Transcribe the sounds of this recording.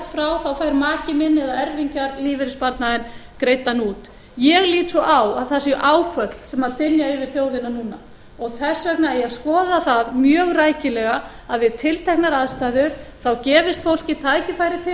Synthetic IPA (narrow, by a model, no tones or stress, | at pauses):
fɾawθawfajɾmaːcɪmɪnːɛðaɛɾviɲcaɾliːvɪɾɪspaɾt̪naðɪnkɾejt̪anuːt̪ | jɛɣliːt̪sɔʔawaðθasɪʔaːwkʰvœt̪l̥sɛmaðt̪ʏnjaʏvɪɾ̥θjoːwðɪnanuːna | ɔɣθɛsːœk̚naɛjaðskɔːðaθaðmjœːɣraːjcɪlɛɣa | aðvɪðt̪ʰɪlt̪ʰɛjhknaɾaðst̪aːjðʏɾ̥θawcɛːvɪst̪fowl̥cɪt̪ʰajcɪfaːjɾɪt̪ʰɪ